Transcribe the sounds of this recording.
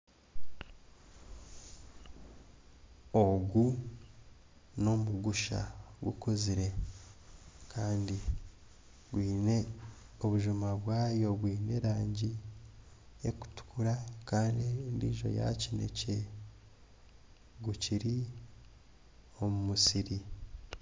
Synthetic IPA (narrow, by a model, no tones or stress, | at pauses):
oɡu | no̞muɡuʃa̰ɡṵkoziɾe̞ | kʰaːndi | ɡwiːne | oβuʒumaβwaːjo̞βwiːne̞ɾaːɲɟi | eku̥tu̥kuɾakaːndindḭːʒo̞̰ja̰cine̞̰ce | ɡuciɾi | o̞mumusiɾi